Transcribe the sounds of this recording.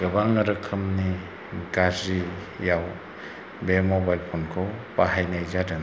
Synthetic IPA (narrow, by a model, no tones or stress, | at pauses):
ɡɯbaŋɯɾɯkʰɯmni | ɡazijaw | bemɔbajlpʰɔnkʰɯwpaɦajnajzadɯn